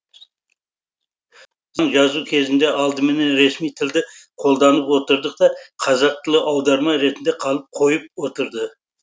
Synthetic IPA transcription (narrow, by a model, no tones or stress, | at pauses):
zɴʒɑzukʲʰe̞zɪnd̪e̞ʔɑlˠd̪əme̞ne̞nɾe̞smijt̪ʰɪld̪ɪqʰo̞lˠd̪ɑnəpwo̞t̪əɾd̪əq̚t̪ɑqʰɑzɑq̚t̪ʰəlˠɪʔɑwd̪ɑɾmɑɾe̞t̪ɪnd̪e̞qʰɑlˠəp̚qʰo̞jəp̚wo̞t̪əɾd̪ə